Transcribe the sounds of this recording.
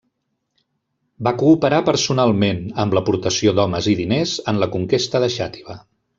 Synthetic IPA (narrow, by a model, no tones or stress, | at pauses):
bakuːpəɾapəɾsunalˠmenəmləpuɾt̪əsiod̪ɔməziðinezənləkuŋkest̪əðəʃat̪i̥βə